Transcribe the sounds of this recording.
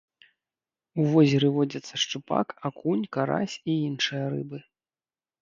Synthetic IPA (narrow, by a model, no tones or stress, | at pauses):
uvɔzʲɪɾɨvɔd͡zʲɐt̪sːɐʂt͡ʂupa̰kakʰunʲkaɾa̰sʲiinʂɨjɐɾɨbɨ